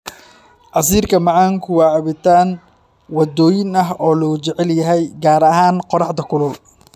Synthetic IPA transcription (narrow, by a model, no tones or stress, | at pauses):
ʔɑs̬iːrkʰɐmɑʕaːŋkʰʊwɑːʕɑβɪt̪ʰaːn | wɑd̪ɔːjɪnɐɦɔːlɔʊt͡ʃɛʕɛljɐɦɛjɡaːɾɐɦaːnqɔɾɑħd̪ɐkʰʊlʊl